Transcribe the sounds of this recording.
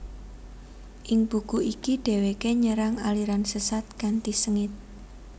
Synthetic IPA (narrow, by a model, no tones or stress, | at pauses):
ʔɪŋb̥ṳkuʔikiɖ̥e̤wekeɲəɾaŋaliɾansəsat̪̚kant̪isəŋɪt̪̚